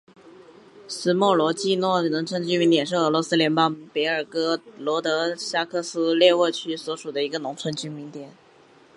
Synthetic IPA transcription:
sɹ̩˥mwɔ˥˩lwɔ˧˥t͡ɕi˥˧nwɔ˥˩nʊ˧˥ŋt͡sʰwə˧˥nt͡ɕy˥nmi˧˥nt̪jɛ˨˩nʂ̬ɻ̩˥˩ɤ˧˥lwɔ˧˥sɹ̩˥ljɛ˧˥npɑ˥ŋpe˧˥ɪə˞˨˩kɤ˥lwɔ˧˥t̪ɤ˧˥ɕa˥kʰɤ˥˩sɹ̩˥ljɛ˥˧wə˥˩t͡ɕʰy˥swɔ˧˥ʂu˨˩d̪ə˦i˧˥ɡə˧nʊ˧˥ŋt͡sʰwə˧˥nt͡ɕy˥nmi˧˥nt̪jɛ˨˩˦n

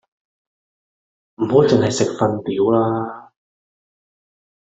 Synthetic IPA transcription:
m̩˨˩ɦo˨˥wt͡sɪ˨ŋhɐ˨jsɪ˨k̚fɐ˧np̪iː˨˥wlaː˥

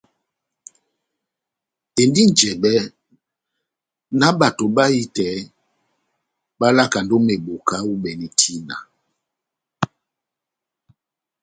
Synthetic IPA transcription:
e˨ndi˦n˨d͡ʒɛ˨ɓɛ˦ | na˦ɓa˨to˨ɓa˦i˦tɛ˨˦ | ɓa˦la˦˨ka˨ndo˦me˨ɓo˨ka˦u˦ɓɛ˨ni˨tʰi˦na̰˨

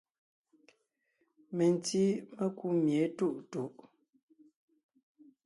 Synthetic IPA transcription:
me˨n˨ti˦me˦ku˦mje˨˦tu˦˨ʔtu˨ʔ

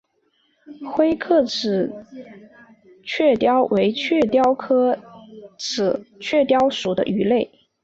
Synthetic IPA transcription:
xwe˥ɪkʰɤ˥˩ʈ͡ʂʰɻ̩˨˩ | t͡ɕʰɥɛ˥˩t̪jɑ˥ʊwʔe˧˥ɪt͡ɕʰɥɛ˥˩t̪jɑ˥ʊkʰɤ˥ | ʈ͡ʂʰɻ̩˨˩t͡ɕʰɥɛ˥˩t̪jɑ˥ʊʂu˨˩d̪ə̰˦ʔy˧˥le˥˩ɪ

